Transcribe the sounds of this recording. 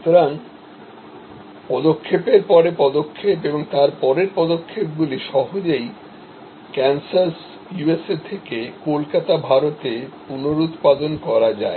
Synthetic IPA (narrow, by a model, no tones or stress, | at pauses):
ut̪oɾan | pɔd̪okʰːepeɾpɔɾepɔd̪okʰːepeboŋt̪aɾpɔɾeɾpɔd̪okʰːep̚ɡuliʃɔɦod͡ʑej | kɛnsas | jueset̪ʰekekolkat̪abʱaɾot̪epunoɾut̪pad̪onkɔɾad͡ʑae